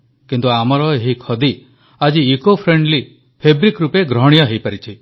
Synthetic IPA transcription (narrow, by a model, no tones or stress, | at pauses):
kint̪uamɔɾɔeɦikʰɔd̪i | ad͡ʒiːkopʰɾeɳɖli | pʰebɾikɾupeɡɾɔɦɽ̃ijɔɦejpaɾit͡ʃʰi